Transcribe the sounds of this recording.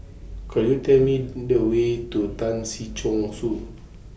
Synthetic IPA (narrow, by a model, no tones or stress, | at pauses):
kəjutɛmin̩dəwetotansit͡ʃoŋsu